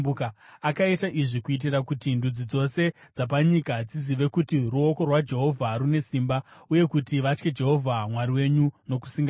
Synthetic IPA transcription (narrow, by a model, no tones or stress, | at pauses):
ukaakaitaʔiʐikuit̬irakutindud͡zid͡zo̞se̞d͡zap̬aɲikad͡ziziʋe̞kutiruo̞ko̞rwad͡ʒe̞ɦo̞vʱaɾune̞simbauje̞kutiʋat͡ʃke̞d͡ʒe̞ɦo̞vʱamwaɾiwe̞ɲuno̞ku̥siŋɡa